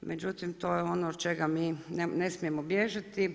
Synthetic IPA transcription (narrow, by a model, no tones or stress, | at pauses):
med͡ʒut̪imt̪ojɛonod̪t͡ʃeɡaminenesmijemobjeʒat̪i